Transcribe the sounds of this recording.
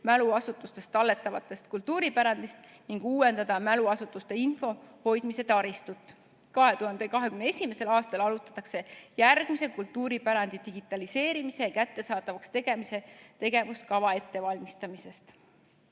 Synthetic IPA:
mæluɑsut̪ːˑust̪e̞st̪ɑlːe̞t̪ːˑɑvɑt̪ːˑe̞st̪kult̪ːuːɾipæɾɑnd̪ist̪ | niŋɡ̥uːwe̞nd̪̥ɑd̪̥ɑmæluɑsut̪ːˑust̪e̞info̞ho̞jd̪̥mise̞t̪ɑɾist̪ut̪ːˑ | kɑɦe̞t̪uhɑnd̪̥e̞kɑɦe̞kymneesʲimese̞lɑːst̪ɑlɑlut̪ːˑɑ̥t̪ːˑɑkse̞jærɡ̥mise̞kult̪ːˑuːɾipæɾɑnd̪̥id̪̥iɡ̥it̪ːˑɑlise̞ːɾimise̞kæt̪ːe̞sɑːt̪ˑɑvɑkst̪e̞ɡ̥e̞mise̞t̪e̞ɡ̥e̞vuskɑvɑe̞t̪ːe̞vɑlʲmist̪ɑmise̞st̪

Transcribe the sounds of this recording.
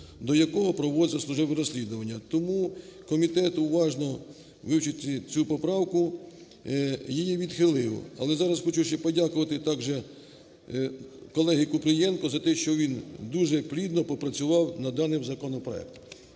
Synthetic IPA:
d̪ɔjɐkɔɦɔpɾɔʋɔzʲɐslˠʊʒɪʋɪɾɔsʲlʲid̪ʊʋɐnʲːɐt̪ɔmukɔmʲit̪ɛt̪ʊʋɑʒnɔ | ʋɪwt͡ʃɪt̪ɪt͡sʲupɔpɾɑwkʊ | jijiʋʲid̪xɪlˠɪʋɔ̰ɐlˠɛzɑɾɐsxɔt͡ʃuʃɛpɔdʲakʊʋɐt̪ɪt̪ɑɡʒɛ | kɔlˠɛɦɪkʊpɾɪjɛnkɔzɐt̪ɛʃt͡ʃɔʋʲind̪uʒɛplʲid̪nɔpɔpɾɐt͡sʲʊʋɑwnɐd̪ɑnɪmzɐkɔnɔpɾɔ̰ɛ̰k̚t̪

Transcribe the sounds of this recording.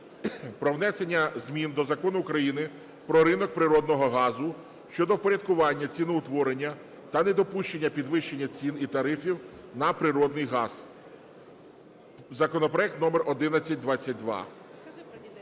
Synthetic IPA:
pɾɔwnɛsenʲːɐzmʲind̪ɔzɐkɔnʊːkɾɐjinɪ | pɾɔɾɪnɔk̚pɾɪɾɔd̪̚nɔɦɔɦɑzʊ | ʃt͡ʃɔd̪ɔwpɔɾʲɐd̪̚kʊʋɑnʲːɐt͡sʲinʊʊt̪ʋɔɾenʲːɐ | t̪ɐnɛd̪ɔpuʃt͡ʃe̞nʲːɐpʲid̪ʋɪʃt͡ʃe̞nʲːɐt͡sʲinit̪ɐɾɪfʲiwnɐpɾɪɾɔd̪nɪjɦɑz̥ | zɐkɔnɔpɾɔɛk̚t̪nɔmɛrʔɔd̪ɪnɐt͡sʲːɐt̚ʲd̪ʋat͡sʲːɐt̚ʲd̪ʋɑ̰

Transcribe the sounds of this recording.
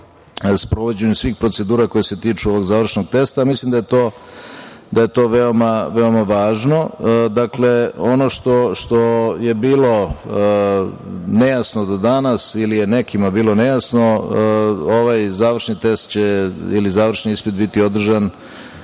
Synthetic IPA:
spɾo̞ʋo̞d͡ʑeɲumsʋiːxpɾo̞t̪se̞d̪uːɾako̞jese̞t̪iːt͡ʂuo̞ʋo̞ɡzaːʋr̩ʂno̞ɡ̚t̪e̞st̪amislimd̪ajet̪oː | d̪aje̞t̪o̞ːʋe̞o̞maʋe̞o̞maʋaːʒno̞d̪akle̞o̞no̞ʂt̪o̞ʃt̪o̞je̞biːlo̞ | ne̞jasnod̪ad̪anasilijene̞kimabiːlˠo̞ne̞jasno̞ | oʋajzaːʋr̩ʃnit̪e̞st̪t͡ɕeḭlizaːʋr̩ʃniispid̪bit̪io̞d̪r̩ʒan

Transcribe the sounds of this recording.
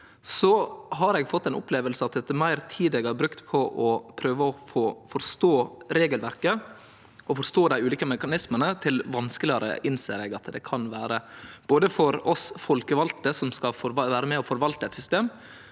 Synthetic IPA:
sɔɦɑɾɛɡfɔt̪ːɛɪnʊ̰pleːʋəlsəɑt̪d̪ɛt̪ːəmæɪɾt̪ʰiːd̪ɛɡɑɾbɾʉkt̪pʰɔʔɔpʰɾøːʋəɔfoːfɔɾst̪oːɾeːɡəlʋæɾkə | ʔɔfɔɾst̪oːd̪æɪʉːliːkəmɛkɑnɪsmənət̪ʰɪlʋɑnskəlɪəɾə̰ʔɪnsḛːɾɛɡɑt̪d̪ɛ̰kʰɑnʋæːɾəb̥oːd̪əfɔɾɔsfɔlkəʋɑlt̪əsɔmskɑfɔɾʋæːɾəmɛɔfɔɾʋɑlt̪əɛt̪sʏst̪eːm

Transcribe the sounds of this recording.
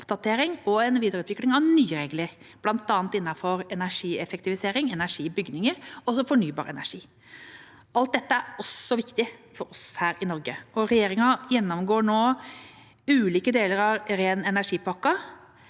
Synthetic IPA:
ɔpd̪ɑt̪ʰeːɾɪŋɔɛnʋiːd̪əɾʉːt̪ʋɪklɪŋɑʋnyːəɾeːɡləɾb̥lɑnt̪ɑːnt̪ɪnːɑfɔɾɛnæɾʂiːɛfɛkt̪ɪʋɪseːɾɪŋɛnæʂiːbʏɡnɪŋəɾɔsɔfɔɳyːbɑ̰ːɾɛ̰næ̰ʂiː | ɑlt̪̚d̪ɛt̪ːəæɾɔsːɔʋɪkt̪ɪfɔɾɔshæːɾɪnɔɾɡəʔɔɾɛjeːɾɪŋɑjɛnːɔmɡoːɳoː | ʉːliːkəd̪eːləɾɑʋɾeːnɛnæʂiːpɑkːɑ

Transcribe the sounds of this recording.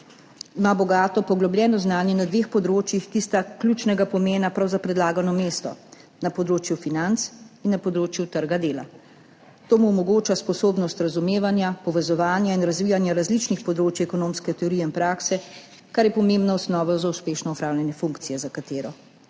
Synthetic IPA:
imabɔɡaːt̪ɔpɔɡlɔblʲjɛːnɔznaːnjɛnad̪ʋeːxpɔd̪ɾoːt͡ʃjixkist̪aklʲjut͡ʃnɛɡapɔmeːnapɾawzapɾɛd̪laːɡanɔmeːst̪ɔ̰ | napɔd̪ɾoːt͡ʃjufinant̪sinːapɔd̪ɾoːt͡ʃjut̪əɾɡad̪eːla̰ | t̪oːmuɔmɔɡoːt͡ʃaspɔsoːbnɔst̪ɾazumeːʋanjapɔʋɛzɔʋaːnjainɾazʋiːjanjaɾazlit͡ʃnixpɔd̪ɾoːt͡ʃjɛkɔnoːmskɛt̪ɛɔɾijɛinpɾaːksɛ | kaɾjɛpɔmẽmbnaɔsnɔːʋɔzauspeːʃnɔɔpɾaːwnʲjɛnjɛfuŋkt̪sijɛzakat̪eːɾɔ

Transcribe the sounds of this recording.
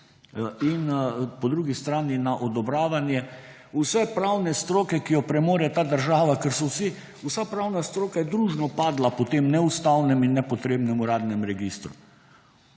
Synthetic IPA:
inpɔd̪ɾuːɡist̪ɾaːninaʔɔd̪ɔbɾaːʋanjɛ | usɛpɾawnɛst̪ɾoːkɛkijɔpɾɛmoːɾjɛt̪aːd̪əɾʒaːʋakɛɾsɔwsi | usapɾawnast̪ɾoːkajɛd̪ɾuːʒnɔpaːd̪lapɔt̪eːmnɛust̪awnɛminːɛpɔt̪ɾeːbnɛmuɾaːd̪nɛmɾɛɡist̪ɾu

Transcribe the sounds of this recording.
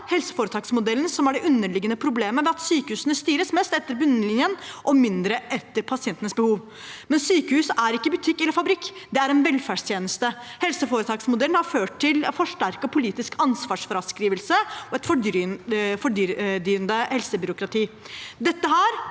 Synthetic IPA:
hɛlsə̥foːɾət̪ʰɑːksmʊd̪ɛlːn̩sɔmæɖɛʔʉnːəɭɪɡːənəpʰɾʊbleːməʋɛɑt̪syːkəhʉːsənəst̪yːɾəsmɛst̪ɛt̪ːəɾbʉnːəəlɪnjənʔɔmɪnd̪ɾəʔɛt̪ːəɾpʰɑsɪɛnt̪ənəsbəhuːʋ | mɛnsyːkəhʉːsæɾɪkːəbʉt̪ʰɪkːɛlːəɾfɑbɾɪkːd̪ɛæɾɛnʋɛlfæːɖʂt̪jeːnəst̪əhɛlsəfoːɾət̪ʰɑːksmʊd̪ɛlnhɑɾføːʈ̪̚ʰɪlfɔʂʈæɾkɔpʰʊliːt̪ɪskɑnsʋɑːʂfɔɾɑskɾiːʋəlsəɔɛt̪fɔ | fɔɖd̪yːənd̪əhɛlsəbʏɾʊkɾɑt̪ʰiː | d̪ɛt̪ːəɦæɾ

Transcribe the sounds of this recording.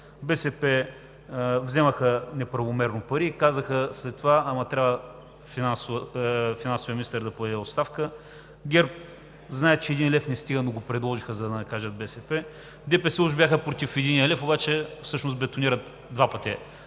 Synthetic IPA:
bɛsɛpɛ | vzɛməxənɛpɾɐvomɛɾnopɐɾiːkazəxəslɛt̪ːovaɐmɐt̪ɾʲabvə | finans | finansʊviəmʲinist̪əɾd̪ɐpoɛd̪ɛot̪st̪afkə | ɡʲɛɾp̚ | znaɛt̪t͡ʃɛːd̪inlʲɛfnɛst̪iɡənoɡopɾɛd̪lˠɔʒixəzɐd̪ɐnɐkaʒət̪̚bɛsɛpɛ | d̪ɛpɛsɛluʒbʲjaxəpɾot̪ifɛd̪iniəlɛfobat͡ʃɛfsɤʃnost̪bɛt̪oniɾət̪ | d̪vapət̪ʲi

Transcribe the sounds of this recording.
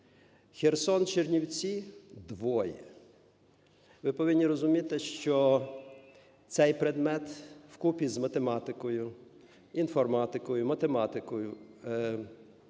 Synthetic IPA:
xersɔnt͡ʃernʲiwt͡sʲid̪ʋɔjɛ | ʋɪpɔʋɪnʲːiɾɔzʊmʲit̪ɪʃt͡ʃɔ | t̪sɛjpɾed̪mɛt̪wkupʲizmɐt̪emɑt̪ɪkɔjʊ | infɔrmɑt̪ɪkɔjʊmɐt̪emɑt̪ɪkɔjʊ

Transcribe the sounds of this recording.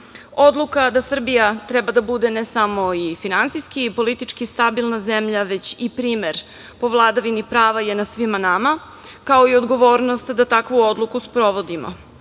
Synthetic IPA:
o̞d̪lukad̪asr̩bijat̪ɾɛbad̪abud̪enesamo̞ifinansijskipo̞lit̪it͡ʃkist̪abilˠnazemʎaʋe̞t͡ɕipɾiːmeɾ | po̞ʋlˠaːd̪aʋinipɾaːʋajenad̪sʋimanama | kao̞iod̪ɡo̞ʋo̞ːɾnost̪d̪at̪akʋuod̪lˠukuspɾo̞ʋo̞d̪imo̰

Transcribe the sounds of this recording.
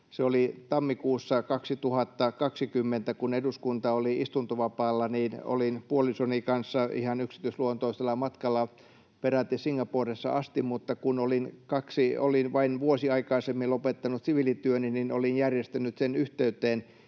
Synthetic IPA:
seolit̪ɑmːikuːsːɑkɑksit̪uhɑt̪ːɑkɑksikymːent̪ækuneduskunt̪ɑoliist̪unt̪oʋɑpɑːlːɑniːno̰linpuolisonikɑnsːɑḭhɑnyksi̥t̪yisluont̪oiselːˑɑmɑt̪kɑlːɑ | peræt̪ːisiŋɡɑpoːresːɑ̰ʔɑst̪immut̪ːɑkunolinkɑksiolinʋɑinʋuosiɑikɑisemːilopet̪ːɑnut̪siʋilit̪yøninino̰linjærjest̪ænːˑyt̪senyht̪eyt̪eːn

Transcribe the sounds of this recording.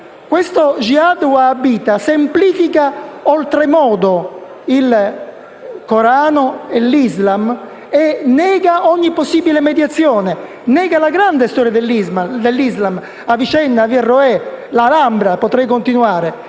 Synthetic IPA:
kwest̪od͡ʒiad̪wabːiːt̪asempliːfikaɔlt̪ɾemɔːd̪o | il | koɾaːnoelːizlam | enːɛːɡaɔɲːipːosːiːbilemed̪jat̪sːjɔːne | nɛːɡalaɡɾand̪est̪ɔːɾjad̪elːizmad̪elːizlam | avit͡ʃɛnːaviɛrːoɛlalambɾapot̪ɾɛjkont̪inuaːɾe

